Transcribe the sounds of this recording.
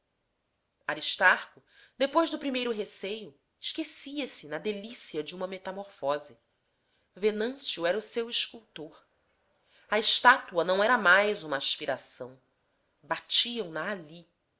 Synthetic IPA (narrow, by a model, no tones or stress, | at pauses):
aɾiʃt̪aɾkʊd̪epojzd̪ʊpɾimejɾʊɦesejʊ | ɪʃkesiɐsɪnɐd̪elisiɐd͡ʒɪũmɐmet̪amoɾfɔzi | venɐ̃sjuɛɾɐʊsewiʃkuwt̪oɾ | ɐɪʃt̪at̪uɐnɐ̃w̃ɛɾɐmajzũmɐːʃpiɾasɐ̰̃w̃ | bat͡ʃiɐ̃w̃nɐali